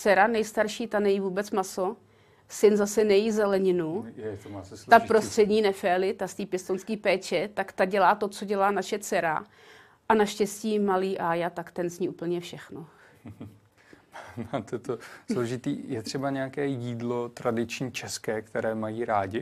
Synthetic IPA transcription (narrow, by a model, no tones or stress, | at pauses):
t͡sɛɾanɛjst̪aɾʃiːt̪anɛjiːvuːbɛt͡smaso̞ | sɪnzasɛnɛjizɛlɛɲɪnu | t̪apɾost̪r̥ɛdɲiːnɛfɛːlɪt̪ast̪iːpjɛst̪onskiːpɛːt͡ʃɛt̪akt̪aɟɛlaːt̪o̞t͡so̞ɟɛlaːnaʃɛt͡sɛɾa̰ | ʔanaʃcɛsciːmaliːʔajat̪akt̪ɛnzɲiːʔuːpl̩ɲɛfʃɛxno | nat̪ɛt̪osloʒɪt̪ḭːjɛt̪r̝̥ɛbaɲɛjakɛːjiːdlot̪ɾadɪt͡ʃɲiːt͡ʃɛskɛːkt̪ɛɾɛːmajiːɾaːɟɪ